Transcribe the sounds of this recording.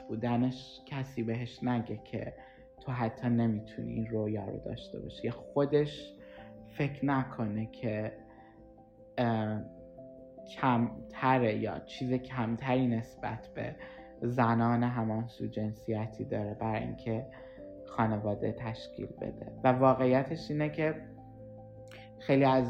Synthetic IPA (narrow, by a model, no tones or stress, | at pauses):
b̥uːd̪æne̞ʃ | cʲʰæsiːbe̞ɦe̞ʃnæɟe̞kʰḛ | t̪ʰo̞ɦæt̪ʰːɒːne̞mit̪ʰunḭʔinrojɒːɾo̰d̪ɒ̰ːʃt̪e̞̰bɒ̰ːʃiexo̞d̪e̞ʃ | fe̞cʰnækʰo̞nekʰe | kʰæmt̪ʰæɾejɒ̰ːt͡ʃʰiːzecʰæmt̪ʰæɾiːne̞sb̥æ̰t̪ʰb̥e̞̰ | zænɒːneɦæmɒnsuːd͡ʒe̞nsijæt̪ʰiːd̪ɒːɾebæɾɒːḭncʰe̞ | xɒːne̞vɒːd̪et̪ʰæʃcʰḭːlbḛd̪̥e̞̰vævɒːɣe̞ijæt̪ʰe̞ʃiːnecʰe̞ | xe̞jliæz